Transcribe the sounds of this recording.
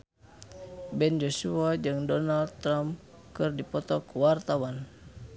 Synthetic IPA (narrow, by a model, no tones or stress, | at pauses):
bɛnd͡ʒɔsuad͡ʒɨŋdɔnald̪t̪ːɾam | kɨrdipɔt̪ɔkuwart̪awan